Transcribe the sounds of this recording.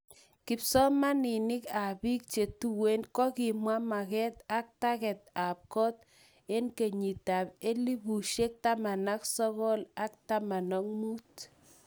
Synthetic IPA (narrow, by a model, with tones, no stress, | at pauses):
kɪ˨psɔ˦ma˦nɪ˨nɪ˦ka˨bi˦k̚t͡ʃe˨tu˦we˦nkɔ˦kɪ˨mwa˦ma˨kɛ˦t̪a˦k̚ta˦kɛ˨t̪̚a˨p̚kɔ˦t̪ | e˦nke˨ɲi˨ta˨pe˦li˦bu˨ʃe˦k̚ta˦ma˨na˦ksɔ˦ɣɔ˦la˦k̚ta˦ma˨nɔ˦ŋmu˦t